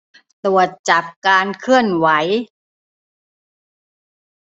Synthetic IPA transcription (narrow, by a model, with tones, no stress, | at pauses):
t̪u˨˩ət̪̚t͡ɕa˨˩p̚kaː˧nkʰɯ˥˩ənwa˩˦j